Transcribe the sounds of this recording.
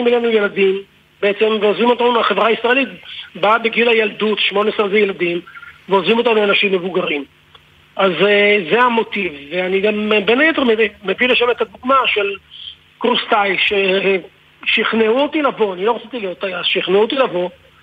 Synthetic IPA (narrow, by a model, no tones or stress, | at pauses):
imelanuje̞lad̪im | beet͡se̞mveozʁimo̞t̪anuaχevʁaaisʁae̞lit̪babeɡilajald̪ut̪ʃmo̞neesezejelad̪imveozʁimo̞t̪anuanaʃimːe̞vuɡaʁim | ʔazzeamo̞t̪ivveaniɡambenaje̞t̪eʁmeimevileʃamet̪ad̪uɡmaʃe̞l | kʁust̪ajʃe | ʃiχneuot̪ilavo̞anilo̞ʁot͡sit̪iljot̪ajazʃiiχneut̪ilavo̞